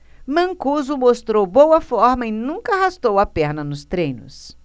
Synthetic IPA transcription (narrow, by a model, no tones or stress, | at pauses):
mɐ̃ŋkuzʊmost̪ɾowbowɐfɔɾmɐɪnũŋkɐhast̪owɐpɛɾnɐnʊst̪ɾẽjnʊ̰s